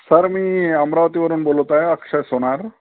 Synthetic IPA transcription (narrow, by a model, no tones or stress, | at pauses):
səɾmiamɾaʋət̪iʋəɾunbolot̪aəkʂɐjsoɽ̃aɾ